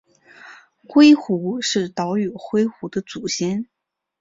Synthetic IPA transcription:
xwe˥ɪxu˧˥ʂɻ̩˥˩t̪ɑ˧˥ʊy˨˩xwe˥ɪxu˧˥d̪ə˧t͡su˨˩ɕjɛ˥n

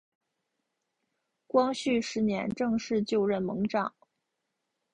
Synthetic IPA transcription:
kwɑ˥ŋɕy˥˩ʂɻ̩˧˥njɛ̰˧˥nʈ͡ʂɤ˥˧ŋʂɻ̩˥˧t͡ɕjo˥˧ʊɻə˥˩nmɤ˧˥ŋʈ͡ʂɑ˨˩˦ŋ

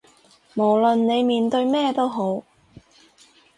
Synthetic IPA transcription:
mo˨˩wlɵ˨nne˨˧jmiː˨˧nt̪ɵ˧ɥmɛː˥˧t̪o˥wɦo˨˥w

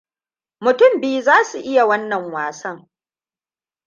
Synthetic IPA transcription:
mʊ˨tʊ˦mbiː˦zaː˦su˨ʔɪ˦ja˨wɐ˦nːɐ˨ŋwaː˨sɐ˦ŋ

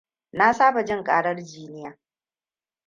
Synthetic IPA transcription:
na˦saː˦ba˨d͡ʒɪ˦ŋkʼaː˦ɽɐ˦rd͡ʒiː˦nɪ˦jaː˨

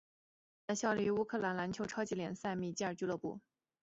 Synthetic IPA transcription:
t̪a˥˧ɕjɑ˥˧ʊli˥˧˩y˧˥u˥kʰɤ˥˩la˧˥nla˧˥nt͡ɕʰjo˧˥ʊʈ͡ʂʰɑ˥ʊt͡ɕi˧˥ljɛ˨˩nsa˥˧ɪmi˥˩t͡ɕi˥˧ə˞˨˩t͡ɕy˥lɤ˥˧pṵ˥˩

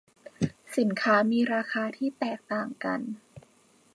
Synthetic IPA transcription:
si˨˩˦nkʰaː˦˥miː˧ɾaː˧xʰaː˧t̪ʰiː˥˩t̪ɛː˨˩k̚t̪aː˨˩ŋka˧n

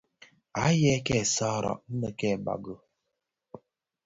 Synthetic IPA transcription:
a˨˦je˦ke˦˨sɔː˦˨ɾɔ̰˨n̩˦nə˦ke˦˨ba̰˨ɡo˦

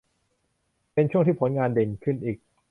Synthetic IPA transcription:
pe˧nt͡ɕʰu˥˩əŋt̪ʰiː˥˩pʰo˩˦nŋaː˧nde˧nkʰɯ˥˩nʔiː˨˩k̚

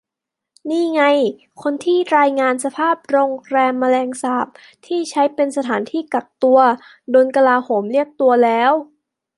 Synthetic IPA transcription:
niː˥˩ŋa˧j | kʰo˧nt̪ʰiː˥˩ɾaː˧jŋaː˧nsa˧pʰaː˥˩p̚ɾoː˧ŋɾɛː˧mːa˧lɛː˧ŋsaː˨˩p̚ | t̪ʰiː˥˩t͡ɕʰa˦˥jpe˧nsa˧t̪ʰaː˩˦nt̪ʰiː˥˩ka˨˩k̚t̪u˧ɐ | doː˧jka˧laː˧hoː˩˦mli˥˩ək̚t̪u˧ɐlɛː˦˥w

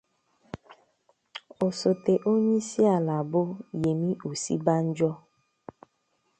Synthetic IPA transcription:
o˨so˨te˨ʔo˦ɲe˦si˦a˨la˨bʊ˦je˨mĩ˦ʔu˨sḭ˦ba˦n̩˦d͡ʒɔ˦

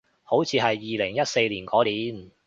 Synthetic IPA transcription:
ho˨˥wt͡sʰiː˨˧ɦɐ˨jːiː˨lɪ˨˩ŋjɐ˥t̚se˧jliː˨˩nkɔː˨˥liː˨˥n

